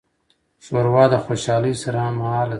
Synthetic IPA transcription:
ʃoɾwɑːd̪əxoːʃɑːləjsaɾamahɑːl

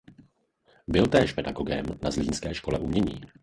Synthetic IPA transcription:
bɪlt̪ɛːʃpɛdaɡoɡɛmnazliːnskɛːʃko̞lɛʔumɲɛɲḭː

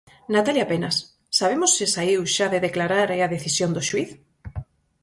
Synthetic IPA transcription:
nat̪aljapenasː | aβ̞emosːɪsaiwʃaðeðeklaɾaɾɛaðeθisjond̪oʃwiθ

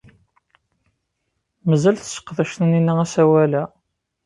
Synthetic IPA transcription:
məzælθəsə̥qːðæʃt̪əninːææsæwælæ

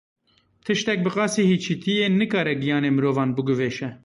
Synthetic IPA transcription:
t̪ʰɨʃt̪ɛk̚bɨqɑːsiːhiːt͡ʃʰiːt̪ʰijeːnɨkɑːɾɛɡijɑːneːmɨɾoːvɑːnbɨɡʊveːʃɛ

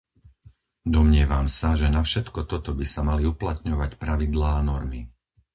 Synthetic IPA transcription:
d̪ɔmɲɪɛʋamsaʒɛnafʃɛt̪kɔt̪ɔt̪ɔbisamaliuplat̪ɲɔʋacpɾaʋid̪laːnɔɾmi

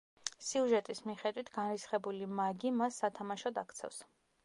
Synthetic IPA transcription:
siuʒɛt̪ʼismiχɛd̪wit̪ʰɡanɾisχɛbulimaɡimasːat̪ʰamaʃɔd̪a̰kʰt̪sʰɛ̰fs

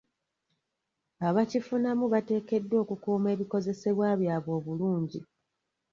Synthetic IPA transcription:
aβacifunamuβate̞ːke̞dːwo̞ːkukuːme̞ːβiko̞ze̞se̞βwaːβjaːβo̞ːβuluːɲɟi

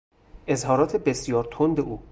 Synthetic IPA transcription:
ʔezhɒːɾɒːt̪ʰe̞besijɒːɾt̪ʰond̪eʔuː

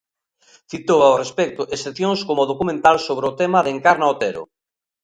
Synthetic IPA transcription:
θit̪owaorespɛk̚t̪ʊʔesθeθjoŋskomʊðokumẽnt̪alsoβɾeʊt̪ɛmaðeŋkaɾnaot̪eɾʊ̰

